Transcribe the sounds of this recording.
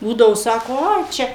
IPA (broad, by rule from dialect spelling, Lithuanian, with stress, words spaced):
ˈbuːdɐʋoː ˈsɑːkoː ˈɐɪ ˈt͡ʃʲɛ